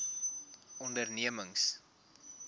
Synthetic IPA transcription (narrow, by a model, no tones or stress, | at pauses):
ɔndərniəməŋs